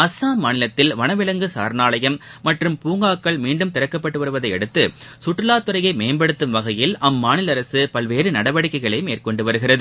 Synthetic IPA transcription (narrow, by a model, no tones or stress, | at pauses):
ɐsːaːmaːnɪlɐt̪ːɪlʋɐnɐʋɪlɐŋɡɯsa̰ːɾnaːlɐjɐmːɐʈrɯmpuːŋɡaːkːɐɭmiːɳɖɯmt̪ɪɾɐkːɐpːɐʈːɯʋɐɾɯʋɐðɐɪɛɽɯt̪ːɯsʊʈːrɯlaːt̪ːɯɾɐjɐɪmeːmbɐɽɯt̪ːɯmʋɐɣɐjɪlɐmːaːnɪlɐɾɐsɯpɐlʋeːrɯnɐɽɐʋɐɽɪkːɐɪɣɐɭɐɪmeːrkɔɳɖɯʋɐɾɯɣɪrɐðɯ